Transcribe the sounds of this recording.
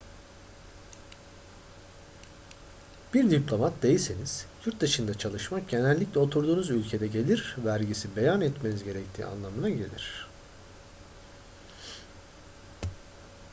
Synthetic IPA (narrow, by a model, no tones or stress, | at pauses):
b̥iɾd̪iplʲo̞mat̪̚d̪̥e̞jiseniz̥juɾt̪̚d̪ɯʃɯnd̪at͡ʃʰalˠɯʃmak̚ɟe̞nælʲːiclʲɛo̞t̪ʰuɾd̪uːnuzylʲcʰe̞d̪ɛɟe̞lʲiɾvæɾɟisibe̞janɛt̪me̞nizɟe̞ɾɛct̪ʰḭːa̰nlˠamɯnaɟe̞lʲḭɾ̝̥